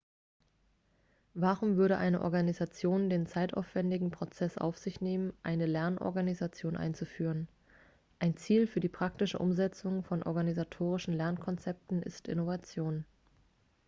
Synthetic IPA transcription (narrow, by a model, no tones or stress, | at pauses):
vaːʁʊmvʏɐɾəʔa̰ɪnəʔɔ̰ɐɡanizat͡sjoːndeːnt͡saɪta̰ʊfv̥ɛndɪɡŋ̩pʁ̥ot͡sɛsʔa̰ʊfz̥ɪçneːmənʔa̰ɪnəlɛɐnʔɔ̰ɐɡanizat͡sjoːnʔa̰ɪnt͡sufyːʁ̞ən | ʔaɪnt͡siːlfyːɐdiːpʁ̥aktɪʃə̰ʔʊ̰mzɛt͡sʊŋfɔnʔɔ̰ɐɡanizatʰoːʁ̞ɪʃn̩lɛɐnkʰɔnt͡sɛp̚tn̩ʔɪ̰stʔɪ̰novat͡sjoːn